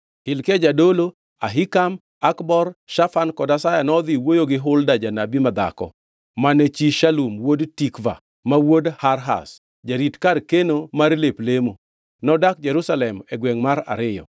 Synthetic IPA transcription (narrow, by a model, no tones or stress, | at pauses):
hɪlked͡ʒadolo | aɦikam | akbɔrʃafankɔdasajanɔd̪iwojoɡɪɦʊldad͡ʒanabimad̪a̰kɔ̰ | manet͡ʃiʃalumwodtikva̰ | mawodhaɾɦa̰s | d͡ʒaɾitkarkenomaɾleplemo | nɔdak̚d͡ʒɛɾusalɛmɛɡwɛŋmaɾa̰ɾɪjɔ̰